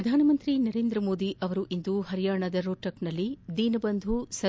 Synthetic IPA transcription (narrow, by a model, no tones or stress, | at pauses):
ɐd̪ʱaːnɐmɐnt̪ɾinɐɾeːnd̪ɾɐmoːd̪iʔɐʋɐɾuʔind̪uɦɐɾijaːɳɐd̪ɐɾoːʈɐknɐlːid̪iːnɐbɐnd̪ʱusɐ